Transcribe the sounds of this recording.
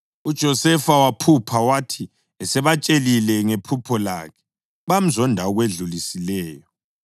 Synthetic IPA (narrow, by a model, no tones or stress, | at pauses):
ud̥ʒ̥ʱɔsɛfawapʰupʰawatʰi | ɛsɛβat͡ʃʼelilɛŋepʰupʰɔla̰ːkʰɛ̥ | βam̩zɔndʱaɔɣweɮulisilɛːjɔ